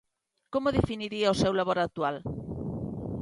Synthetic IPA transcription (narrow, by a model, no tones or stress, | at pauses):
komoðefiniɾiɐʊsewlaβoɾak̚t̪ual